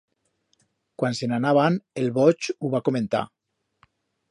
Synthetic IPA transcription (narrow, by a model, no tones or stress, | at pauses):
kwansenanaβanelβot͡ʃuβakomẽnt̪a̰